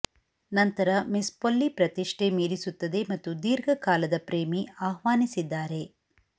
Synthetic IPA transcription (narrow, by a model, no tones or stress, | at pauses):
nɐnt̪ɐɾɐmispolːipɾɐt̪iʂʈemiːɾisut̪ːɐd̪e̞mɐt̪ːud̪iːɾɡʱɐkaːlɐd̪ɐpɾeːmiaːhʋaːnisid̪ːaːɾe̞